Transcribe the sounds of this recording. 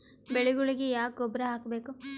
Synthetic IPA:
beɭeɡuɭiɡejaːk̚ɡɔbɾɐɦaːkbe̞ːku

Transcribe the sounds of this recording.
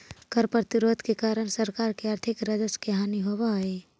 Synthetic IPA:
kəɾpɾət̪ɪɾoːd̪ʱkekaːɾəɽ̃səɾkaːɾkeaɾt̪ʰɪkɾəd͡ʒəskeɦaːniɦoʋaːe

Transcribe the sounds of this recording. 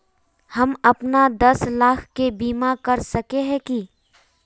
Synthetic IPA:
hɐmɐpnad̪ɐslaːkʰkebiːmakɐɾsɐkeɦɛ̃ki

